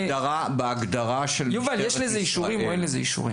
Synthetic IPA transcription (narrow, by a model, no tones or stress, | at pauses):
aʁa | beaɡd̪aʁaʃeljuvaljeʃlezeiʃuʁimoenlezeiʃṵʁḭm